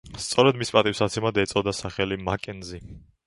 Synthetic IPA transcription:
st̪sʼɔɾɛd̪mispʼat̪ʼifsat̪sʰɛmad̪ɛt̪sʼɔd̪asaχɛlimakʼɛnzi

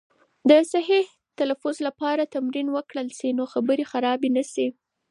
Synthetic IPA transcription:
d̪əsaɦi | t̪alafʊzlapɑɾat̪amɾinwəkɽəlsinoxabəɾexaɾɑbenasi

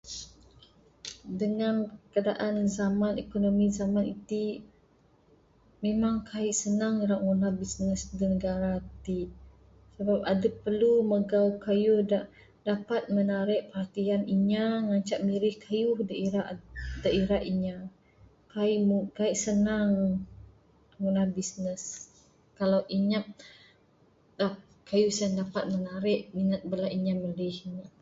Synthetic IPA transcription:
dəŋanpkadaʔanzamanekonomizamanit̪i | memaŋkʰaiʔsənaŋiɾaʔwunahbisnəsdənəɡaɾat̪i | səbap̚adəpːərluməɡawkajuhdaʔ | dapat̪̚mənaɾɛʔpəɦat̪ianiɲaŋaɲt͡ʃaʔmiɾɪhkʰajuhdəiɾaʔdaʔiɾaʔiɲa | kaiʔmukaiʔsənaŋ | ɡunahbisnəs | kalawʔiɲap̚ | dap | kajuhsaŋdapat̪̚mənaɾɪʔminət̪̚bəlaʔiɲaməɾihiɲa

